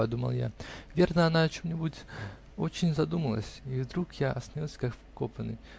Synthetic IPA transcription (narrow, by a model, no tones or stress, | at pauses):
ɐd̪umə̰lˠja̰vʲe̞rnəɐnat͡ɕemnʲɪbutʲ | ot͡ɕɪnʲzɐd̪uməlˠə̰sʲivd̪ɾukjaʔɐsnʲilˠsʲkakfkopənɨ̰